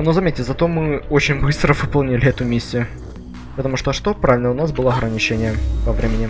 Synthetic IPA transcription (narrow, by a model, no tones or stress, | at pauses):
nozɐmʲetʲːɪzɐt̪o̞mɨot͡ɕɪnʲbɨst̪ɾəvɨpɐlˠnʲilʲɪɛt̪ʊmʲesʲːɪjʊ | pət̪ɐmuʂt̪oʂt̪opɾavʲɪlʲnəʊnasbɨlˠəɐɣɾənʲɪt͡ɕenʲɪjəpɐvɾʲemʲɪnʲɪ